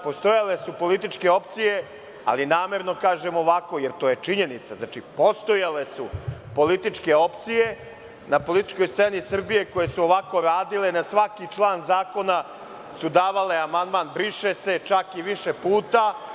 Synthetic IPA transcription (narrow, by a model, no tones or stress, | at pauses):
po̞st̪o̞jale̞supo̞lit̪it͡ʂke̞o̞p̚t̪sije̞ | a̰linaːme̞ɾno̞kaːʒe̞moʋako̞jeɾt̪oje̞t͡ʂiɲe̞nit̪saznat͡ʃipo̞st̪o̞jale̞supo̞lit̪it͡ʂke̞o̞pt̪sije̞ | napo̞lit̪i̥t͡ʃko̞jst̪senisr̩bije̞koje̞suoʋako̞ɾaːd̪ilenasʋakit͡ʂlˠaːnzaːko̞na | sud̪aːʋale̞amand̪maːnbɾiʃese̞t͡ʃakiʋiʃe̞puːt̪a